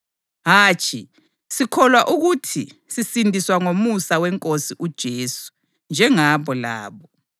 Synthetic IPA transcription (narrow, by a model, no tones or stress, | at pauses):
ɦaːt͡ʃʰʼi | sikʰɔlwaʔuɣutʰisisindʱiswaŋomusawɛŋkʼosiʔud̥ʒ̥ʱeːsu̥ | nd͡ʒʱɛŋaβɔla̰ːβɔ